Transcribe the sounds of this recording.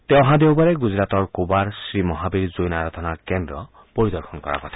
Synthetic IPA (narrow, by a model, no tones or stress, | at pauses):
t̪ewɔ̃ɦad̪ewbaɾeɡud͡ʒɾat̪ɔɾkubaɾsɾimɔɦabiɾd͡ʒojnaɾɔt̪ʰɔnaɾkend̪ɾɔ | pɔɾid̪ɔɾkʰɔnɔkɔɾa̰kɔt̪ʰḁ